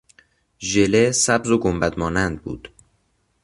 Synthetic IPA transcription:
ʒelesæbzoɡombæd̪mɒːnænd̪̚bṵːd̪̥

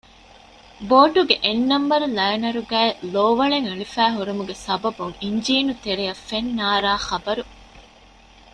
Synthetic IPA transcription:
boːɖuɡeʔenːɐmbɐɾulɐjɐnɐɾuɡæːeloːʋɐɭeŋeɭifæːɦuɾumuɡesɐbɐbuŋiɲd͡ʒiːnut̪eɾejɐfːenːaːɾaːχɐbɐɾu

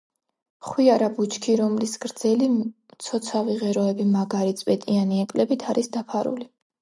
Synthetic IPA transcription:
χwiaɾabut͡ʃʰkʰiɾɔmlisɡɾd̪z̥ɛli | t̪sʰɔt̪sʰaviʁɛɾɔɛbimaɡaɾit̪sʼpʼɛt̪ʼianiɛkʼlɛbit̪ʰaɾisd̪apʰaɾṵli

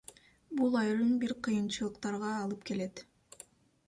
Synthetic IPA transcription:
bulˠɑjɾɯnbiɾqʰɯjɯnt͡ʃɯlˠɯqt̪ɑɾʁɑːlˠɯpke̞le̞t̪

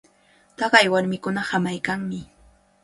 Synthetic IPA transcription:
t̪ɑɢɑjwaɾmɪkʊnahamajkaŋmɪ

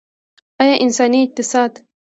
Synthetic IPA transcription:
ajaʔɪnsaːniɪq̚t̪ɪsaːd̪

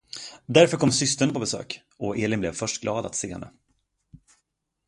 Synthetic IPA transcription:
d̪æɾfœɾkʰɔmːsʏst̪əɳəpʰɔbɛsø̰ːk | ɔeːlɪnblɛvfœʂʈɡlɑːd̪a̰t̪seːhɛ̰nːə̰

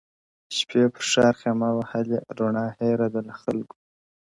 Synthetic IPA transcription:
ʃpʰepʰə̥ɾʂɑːɾxemawahaleɾoɳɑːheɾad̪əlaxt̪alɡu̥

